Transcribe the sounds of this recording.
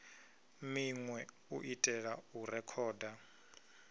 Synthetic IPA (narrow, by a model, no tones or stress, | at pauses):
miŋwɛ | uʔitʼɛɺauɾɛkʰɔːda